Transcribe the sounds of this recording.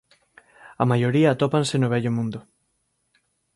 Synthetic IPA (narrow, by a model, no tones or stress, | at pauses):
ɐmajoɾiɐːt̪opansenoβɛʎomũnd̪ʊ